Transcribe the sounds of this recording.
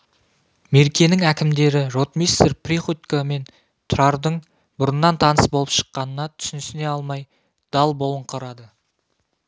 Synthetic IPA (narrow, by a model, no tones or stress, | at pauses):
me̞ɾkʲe̞nɪŋækʲɪmd̪e̞ɾɪɾot̪mist̪erpriχut̪kame̞n | t̪ʰʊɾɑɾd̪əɴ | bʊɾənːɑnt̪ʰɑnəsbo̞lˠəpʃə̥qːɑnənɑt̪ʰʏ̥sɪnɪsɪne̞ɑlˠmɑj | d̪̥ɑlˠbo̞lˠəɴqʰəɾɑd̪ə